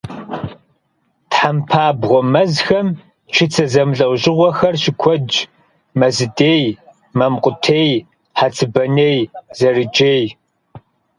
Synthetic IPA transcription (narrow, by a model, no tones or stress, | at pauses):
tħampʰaːbʁʷɔmɐzxɐm | t͡ʃʰɪt͡sʰɐzɐmɮɐwʑɪʁʷɔxɐrɕɪkʷʰɔd͡ʒ | mɐzɨdeːj | mɐmqʷʼʊtʰeːj | ħat͡sʰɨbɐneːjzɐrɨd͡ʒʼeːj